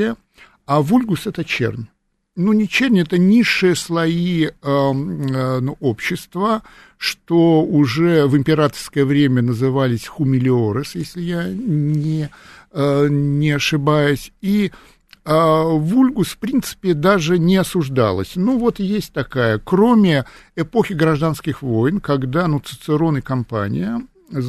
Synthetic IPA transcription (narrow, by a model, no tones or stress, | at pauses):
ə | avulʲɡʊsɛt̪ət͡ɕḛrnʲ | nunʲɪt͡ɕernʲɛt̪ənʲiʂːɨjəslˠɐiə | nuo̞pɕːɪst̪və | ʂt̪oʊʐɛvɨmʲpʲɪɾat̪ərskəjəvɾʲemʲənəzɨvalʲɪsʲxʊmʲɪlʲɪoɾɨsjesʲlʲɪjanʲɪ | nʲɪɐʂɨbajʊsʲi | vulʲɡʊsfpɾʲint̪sɨ̥pʲɪd̪aʐɨnʲɪɐsʊʐd̪a̰lˠə̰sʲnuvo̞t̪jesʲt̚ʲt̪ɐkajəkɾo̞mʲɪɪpo̞xʲɪɡɾɐʐd̪anskʲɪxvo̞jɪnkɐɡd̪anut̪sɨ̥t̪sɨɾo̞nɨkɐmpa̰nʲɪ̰jə